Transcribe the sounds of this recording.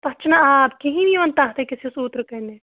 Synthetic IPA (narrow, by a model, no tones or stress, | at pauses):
pɐt͡ʃʰnaaːpkiɦĩniʋɐnt̪aːɦt̪ekɪsiʊsuːt̪ɾəkɐɾne